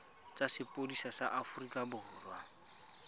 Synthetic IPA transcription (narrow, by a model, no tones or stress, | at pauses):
t͡sʼasɪpʼodisasaʔafurikʼabʊrʊːrwa